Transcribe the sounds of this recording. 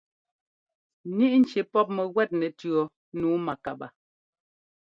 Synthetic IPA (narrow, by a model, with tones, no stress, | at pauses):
ni˦ʔn̩˨t͡ʃe˨pɔ˦p̚mɛ˨ɣwɛ˦˨t̚nɛ˨tɰɔ˨ | nuː˨˦ma˨ka˨ba̰˨